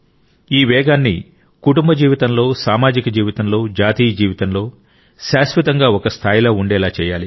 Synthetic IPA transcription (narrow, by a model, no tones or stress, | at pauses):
iːʋɛːɡaːnːḭ | kuʈumbɐd͡ʒiːʋit̪ɐnlo̞ːsaːmaːd͡ʒikɐd͡ʒiːʋit̪ɐnlo̞ːd͡ʒaːt̪iːjɐd͡ʒiːʋit̪ɐnlo̞ː | ʃaːsʋɐt̪ɐŋɡaːɔkɐst̪ʰaːjloːuɳɖɛːlaːt͡ʃɛːjaːli